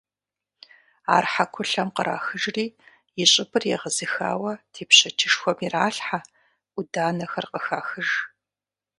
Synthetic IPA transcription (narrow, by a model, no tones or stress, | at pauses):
a̰ːrħakʷʰʊɬɐmqəɾa̰ːxɨʒriː | jɪɕʼɪbʰɨrjɛʁəzɨxa̰ːwɐtʰeːpɕɐtʰɪʂxʷɔmiraːɬħa | ʔʊdaːnɐxɐrqʼəxaːxɨʒ